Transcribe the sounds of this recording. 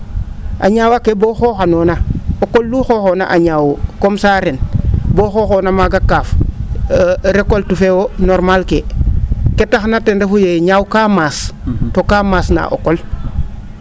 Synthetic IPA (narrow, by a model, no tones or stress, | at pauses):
ʔa̰ɲaːwakeboxoːxanoːnaokolːuxoːxona̰ʔaɲaːwukomsaːɾenboːxoːxonamaɡakːaːf | ɾekoltufewonoɾmalke | ketaxnatendefujeɲawkaːmaːstokaːmaːsna̰ʔo̰kol